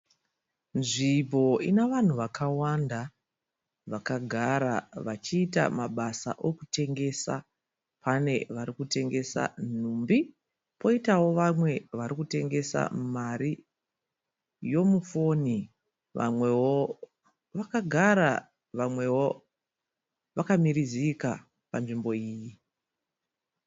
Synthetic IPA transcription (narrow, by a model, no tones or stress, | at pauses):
nʐibʱo̞ineʋan̤uʋakʰawanda | ʋakaɡʱaɾaʋat͡ʃiːta̰maɓasa̰ʔo̞kute̞ŋɡe̞sa̰ | pʰane̞ʋaɾikute̞ŋɡe̞sa̰n̤umbi | po̞itawo̞ʋamwe̞ʋaɾikute̞ŋɡe̞sa̰maɾi | jo̞mufo̞ni | ʋa̰mwewo | ʋakaɡʱaɾa | ʋamwe̞wo̞ | ʋakamiɾiziːka | panʐimbo̞iːji